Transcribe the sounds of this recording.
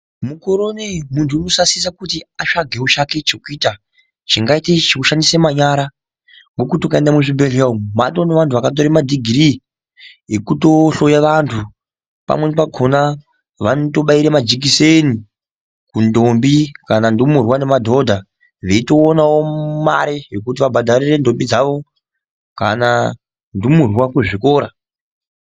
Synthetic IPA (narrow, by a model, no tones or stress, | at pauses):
mukoɾo̞nemuntʰuino̞sasisakutiaʂaɡʱe̞ut͡ʃake̞t͡ʃekuiːta | t͡ʃiŋɡaitet͡ʃekuʃandisemaɲaɾa | ŋɡokutokaendamuʐibelamumatoneʋantʰuʋakat̬o̞ɾemadʱiɡʱiɾi | ekuto̞ɬo̞jaʋantʰu | pa̰mwe̞nepaɡʱona | ʋanoto̞ɓaiɾemad͡ʒik̬iseni | kundombikanandumurwane̞madʱo̞dʱa | ʋeito̞ːnawoma̰ɾejekut̬iʋabʱadʱarire̞ndo̞mbid͡zaʋo̞ | kana | ndumurwakuʐikoːɾa